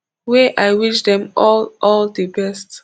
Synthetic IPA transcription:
weʔaɪwit͡ʃdɛ̃mɔlʔɔldəbɛst

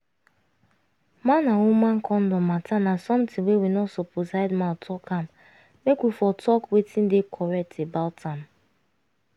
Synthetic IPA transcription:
manawumãŋ̩kʰɔn̩dɔmatanasɔ̃mtɪ̃ŋwewinɔsoposaɪdmãtʰɔkʰam | mekwifɔtʰɔkwetʰĩn̩dekʰɔɹɛk̚tebaltʰãm

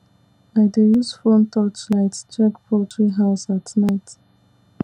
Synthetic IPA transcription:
aɪdejusfɔ̃ntʰɔt͡ʃlaɪtt͡ʃɛkpʰɔtʰɹiɦaʊsatnaɪt

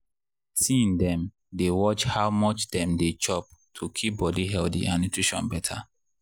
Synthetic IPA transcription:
siĩndɛ̃m | dewɔt͡ʃhawmɔt͡ʃdɛ̃mdet͡ʃɔp̚tʰukʰip̚bɔdiɦɛldḭʔanutʰɹiʃɔ̰̃nbɛtʰa

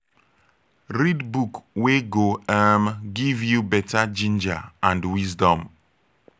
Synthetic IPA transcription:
ɾidbukweɡoamɡivjubɛtad͡ʒĩnd͡ʒa̰ãndwizdɔ̃m

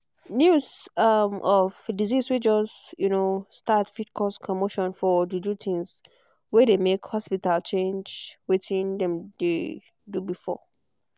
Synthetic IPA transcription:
njuzʌmʔɔvdiziswid͡ʒɔsjunostatfitkʰɔskʰɔmoʃɔ̃nfɔdudutʰĩŋs | wɛdemekhɔspitalt͡ʃʰẽnd͡ʒwetĩndɛ̃mde | dubifɔ̰

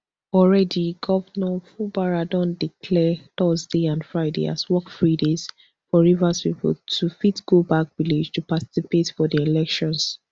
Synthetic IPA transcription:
ɔlɹɛdiɡɔvənɔfubaɹadɔ̃ndikʰlɛθɔzdeãndfɹaɪdḛa̰swɔkfɹidez̥ | fɔɹivaspipɔ̰ltʰufitɡ̥obak̚vilid͡ʒtʰupati̥sipetfɔdielɛkʃɔ̃ns

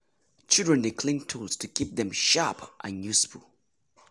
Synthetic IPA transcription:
t͡ʃʰɪldɹə̃ndekʰlɪ̃ŋtʰulˠz̥tʰɨkʰip̚ðɨ̃mʃapʔə̃njʉsfəl̩ˠ

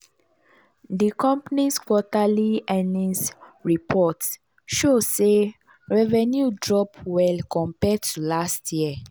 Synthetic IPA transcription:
dikɔ̃mpaniskwɔtaliɛ̃nĩnsɹipʰɔt | ʃose | ɹɛvɛnjudɹɔpwɛlkɔ̃mpɛtulastjiə

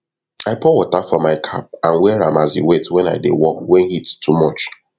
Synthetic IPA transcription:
aɪpɔwɔtafɔmaɪkʰap̚ãnwɛɹãmaziwetwɛ̃na̰ɪdewɔk̚wɛ̃nhittʰːumɔt͡ʃ

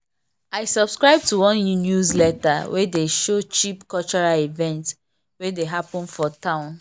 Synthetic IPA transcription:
aɪsɔb̥skɹaɪb̚tuwɔ̃nnjuzlɛtawedeʃot͡ʃipkɔt͡ʃɔɹaivɛ̃nts | wedeɦapɔ̃nfɔtãʊ̃n

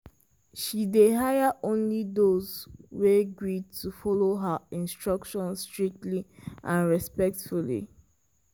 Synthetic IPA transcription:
ʃideɦajaʔõnlidozweɡɹid̚tʰufɔloɦəĩnstɹ̥ʌkʃɔ̃nstɹik̚tliʔãnɹɛspɛk̚tfulḭ

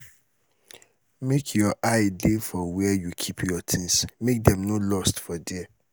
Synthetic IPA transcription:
mekʰjɔʔaɪdefɔwɛjukʰipʰjɔtʰĩnsmek̚dɛ̃mnolɔstfɔdɛɛ

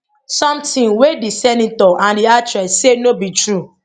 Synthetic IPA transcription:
sɔ̃mtĩnwedisɛnitɔʔãndiatɹɛssenobitɹu

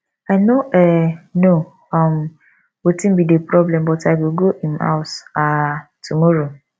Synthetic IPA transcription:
aɪnoʔɛno | ɔm | wotĩn̩bidepɾɔblɛ̃mbɔtaɪwilɡohĩma̰ʊtatumɔɾo

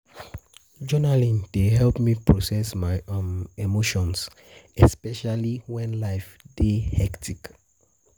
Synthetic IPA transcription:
d͡ʒɔnalĩndeɦɛlpmipɹosɛsmaɪɔ̃memoʃɔ̃ns | ɛspɛʃaliwɛ̃nlaɪfdehɛktʰik

